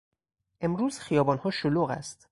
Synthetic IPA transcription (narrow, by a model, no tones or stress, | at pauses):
ʔe̞mɾuːzxijɒːbɒːnhɒːʃoluːɣæ̰st̪